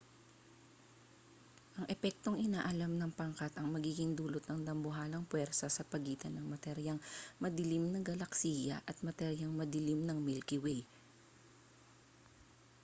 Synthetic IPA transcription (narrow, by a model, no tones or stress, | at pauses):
ʔɐŋʔɛpɛk̚t̪o̞ŋʔɪnaːʔɐlamnɐŋpɐŋkat̪ɐŋmɐɡiːɡɪŋd̪uːlot̪̚nɐŋd̪ɐmbʊɦaːlɐŋpwɛɾsɐsɐpɐɡiːt̪ɐnɐŋmɐt̪ɛɾjɐŋmɐd̪ɪlimnɐŋɡɐlɐksiːjɐ̰ʔɐt̪̚mɐt̪ɛɾjɐŋmɐd̪ɪlimnɐŋmɪlkɪwɛj